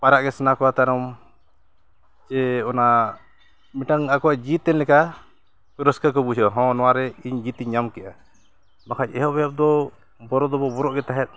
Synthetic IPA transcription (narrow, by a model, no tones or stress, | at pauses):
paɾaʔɡɛsnakɔat̪aɾɔm | t͡ʃɛɔna | miʈaŋakɔwad͡ʒit̪ːɛnlɛka | kuɾəskakɔbusɔɦɔ̃nɔwaɾɛiɲd͡ʒit̪iɲːamkɛʔa | makac̚ɛɦɔbɛjap̚d̪ɔ | bɔɾɔd̪ɔbɔbɔɾɔʔɡɛt̪aɦɛt̪̚